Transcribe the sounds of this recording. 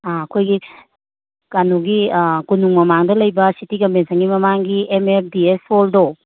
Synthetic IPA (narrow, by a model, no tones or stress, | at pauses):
aɐkʰojɡi | kanuɡikunuŋmɐmaŋdɐlɐjbɐsitikɐmpʰensɐŋɡimɐmaŋɡiemeɾdiesoldo